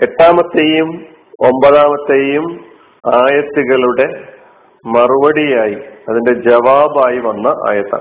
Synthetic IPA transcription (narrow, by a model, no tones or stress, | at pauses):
eʈːaːmɐt̪ːeːjum | o̞mbɐðaːmɐt̪ːeːjum | aːjɐt̪ːuɣɐɭuɽe̞ | mɐruʋɐɽijaːjiɐðinde̞d͡ʑɐʋaːbaːjiʋɐnːɐʔa̰ːjɐt̪ːɐ̰